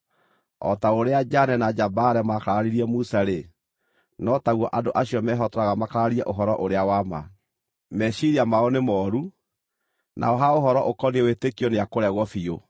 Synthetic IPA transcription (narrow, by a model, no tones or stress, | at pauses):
ɔ̰taoɾead͡ʒanɛnad͡ʒabaɾɛmakaɾaɾiɾiɛmusaɾe | nɔtaɣwɔʔadoʔaɕijɔmɛɦɔtɔɾaɣamakaɾaɾiɛʔoɦɔɾɔʔoɾeawama̰ | mɛʃiɾiamaɔnemɔɾu | nʔa̰ɔɦaoɦɔɾɔʔokɔnewetekijɔneakoɾɛɣɔfio